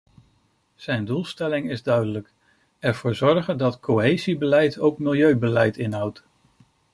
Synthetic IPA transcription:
z̥ɛjndulˠstɛlɪŋɪzdœɥdələk | ɛɹv̥oːɹzɔɹχəndɑtkʰoɦejzibəlɛjtʰowkmɪlˠjøɥbəlɛjtɪnɦɑwt

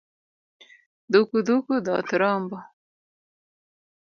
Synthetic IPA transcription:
d̪ukud̪ukud̪ɑ̰ːt̪ɾɑːmbɑ

